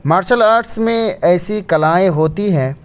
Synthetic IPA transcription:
maːɾʃəlaːɾʈsmẽɛːsikɐlaːẽɦoːt̪iɦɛ̃ː

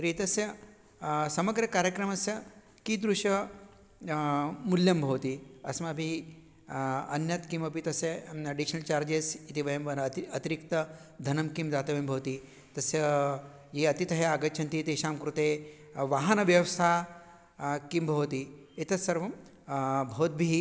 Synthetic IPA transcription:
ɾiit̪ɐsjɐ | sɐmɐɡɾɐkaːɾjɐkɾɐmɐsjɐ | kid̪ɾuʃɐ | muljɐmbʱɐʋt̪iɐsmɐbʱi | ɐnjɐt̪kimɐpit̪ɐsjɐɐɖiʃɐnɐlt͡ʃaːɾd͡ʒesit̪iʋɐjɐmʋɐnɐt̪iɾikt̪ɐ | d̪ʱɐnɐmkimd̪aːt̪ɐʋimbʱɐʋt̪i | t̪ɐsjɐ | jiɐt̪it̪ɐɦeaːɡɐt͡ʃʰɐnt̪it̪eʃaːmkɾut̪eː | ʋaːɦɐnɐʋjɐʋst̪ʰaː | kimbʱɐʋt̪iit̪ɐsɐɾʋɐm | bʱoːd̪̚bʱi

